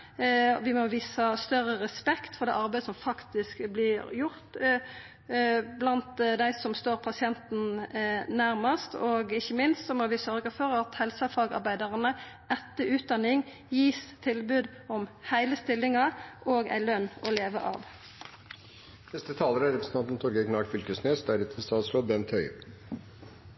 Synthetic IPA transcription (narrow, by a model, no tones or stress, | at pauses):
ʋɪmɔʋiːsəst̪œɾəʁɛspɛkt̪fɔɾd̪ɛ̰ʔɑɾbæɪd̪əsɔmfɑkt̪ɪskblɪɾjʊɾt̪ | blɑnt̪d̪æɪsɔmst̪oːʁpʰɑsɪɛnt̪n̩næɾmɑst̪ɔɡɪçːəmɪnst̪sɔmɔʋɪsœɾɡəfɔɾɑt̪hɛlsəfɑːɡɑ̰ɾbæɪd̪ɑʁənə | ɛt̪ːəʔʉːt̪̚d̪ɑnɪŋ | jiːst̪ʰɪlbʉːd̪ | ɔmhæɪləst̪ɪlːɪŋɑʔoːɡæ̰ɪlœnːɔleːʋə̰ʔɑ̰ːʋ | nɛst̪ət̪ʰɑːləɾəæɾɛpɾsn̩ɑnt̪nt̪ʰɔɾɡəɡnɑːʈfʏlkəsneːsd̪æɖɛt̪ʰɪlst̪ɑːt̪sɾoːʋbɛnt̪ʰœʏə̰ɾ